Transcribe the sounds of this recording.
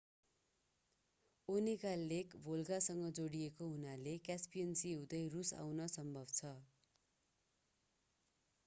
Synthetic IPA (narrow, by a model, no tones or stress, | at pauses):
onikalːekbʱolɡasʌŋɡʌd͡zoɽiekoɦunalekjaspijʌnsiɦũd̪ʌjrusa̰wnʌsʌmbʱʌbt͡sʰʌ